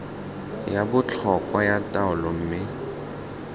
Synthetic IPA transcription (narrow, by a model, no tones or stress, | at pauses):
jabʊt͡ɬʰɔkʼwajatʼaʊlɔm̩ːmɪ